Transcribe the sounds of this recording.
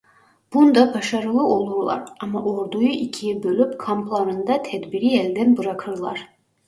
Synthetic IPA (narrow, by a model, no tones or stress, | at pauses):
b̥und̪abaʃaɾɯlˠɯʔo̞lˠuɾlˠa̰ɾɑmaʔoɾd̪ujuʔicʰijbølʲypkʰamplˠaɾɯnd̪at̪ʰɛd̪biɾiɛlʲd̪ænbɯɾakʰɯɾlˠaɾ̥